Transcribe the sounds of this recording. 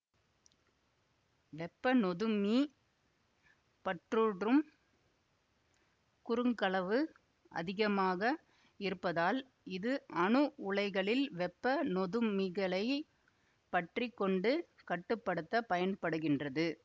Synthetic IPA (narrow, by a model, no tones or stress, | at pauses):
ʋɛpːɐnɔðɯmi | pɐʈruːɽrɯm | kʊɾɯŋɡɐɭɐʋɯ | ʔɐ̰ðɪɣɐmaːɣɐ | ɪɾɯpːɐðaːl | ɪðɯʔɐɳɯʔʊɭɐɪɣɐɭɪlʋɛpːɐnɔðɯmiɣɐɭɐɪ | pɐʈrɪkːɔɳɖɯ | kɐʈːɯpːɐɽɯt̪ːɐpɐjɐnpɐɽɯɣɪndrɐðɯ